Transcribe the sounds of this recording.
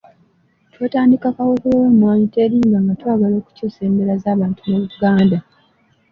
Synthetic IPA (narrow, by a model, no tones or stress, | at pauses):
tweːtaːndikakawokuloweːmwaːɲite̞ːɾiːŋɡaŋɡatwaːɡalo̞ːku̥coːse̞ːmbe̞ɾazaːβaːntuneβuuɡaːnda